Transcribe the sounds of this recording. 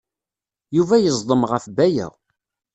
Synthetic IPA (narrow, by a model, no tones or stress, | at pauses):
juvæjəzˤd̪ˤəmʁəfbæjə̰ʁ